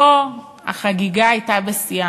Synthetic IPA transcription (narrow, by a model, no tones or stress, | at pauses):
o | ha̰χaɡiɡaːjtabesia